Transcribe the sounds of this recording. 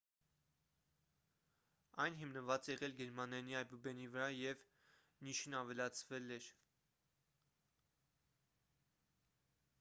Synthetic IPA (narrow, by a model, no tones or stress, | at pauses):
ɑjnɦimnəvɑt͡sjɛʁɛlɡɛɾmɑnɑniɑjbubɛnivəɾɑjɛv | niʃinɑvɛlɑt͡sʰvɛlɛɾ